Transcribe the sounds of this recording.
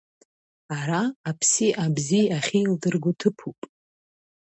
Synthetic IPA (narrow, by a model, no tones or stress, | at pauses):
aɾaːpʰsiʔabziaχʲildɨrɡʷʊtʰɨpʰupʼ